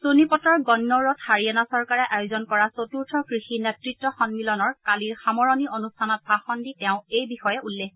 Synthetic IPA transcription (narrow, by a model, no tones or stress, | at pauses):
sonipɔtɔɹɡɔnːɔɹɔthaɹijanasɔɹkaɹɛʔajozɔnkɔɹasotuɹtʰɔkɹixinɛtɹitːɔxɔnmilɔnɔɹkaliɹxamɔɹɔnionustʰanɔt̚bʱaxɔnditɛʊ̃ejbixɔjɛʔulːek